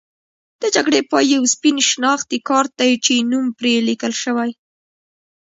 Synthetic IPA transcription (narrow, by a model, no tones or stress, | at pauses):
d̪̥əd͡ʒaɡɽepɑjjawspinʃnɑxt̪ikɑɾt̪ajt͡ʃenumpɾelikəlʃəwaj